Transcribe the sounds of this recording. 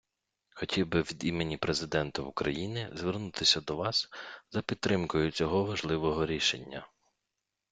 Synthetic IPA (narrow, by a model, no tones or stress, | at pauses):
xɔtʲiwbɪʋʲid̪imenʲipɾezɪd̪ɛnt̪ɐukɾɐjinɪzʋʲernut̪ɪsʲɐd̪ɔʋɑszɐpʲid̪̚t̪ːɾɪmkʊjʊt͡sʲɔɦɔʋɐʒlˠɪʋɔɦɔɾʲiʃenʲːɐ